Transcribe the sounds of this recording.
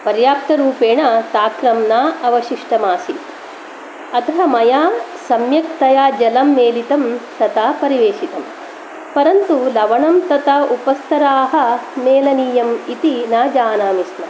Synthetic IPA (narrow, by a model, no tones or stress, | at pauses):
pɐɾjaːp̚t̪ɐɾuːpeːɳat̪aːkɾɐmnaːʔɐʋɐʃiʂʈɐmaːsi | ɐt̪ɐɦɐmɐjaː | sɐmjɐk̚t̪ɐjaːd͡ʒɐlɐmːeːlit̪ɐmt̪ɐt̪aːpɐɾiʋeːʃit̪ɐm | pɐɾɐnt̪ulɐʋɐɳɐmt̪ɐt̪aupɐst̪ʰɐɾaːɦɐ̆meːlɐniːjɐmit̪inaːd͡ʒaːnaːmismɐ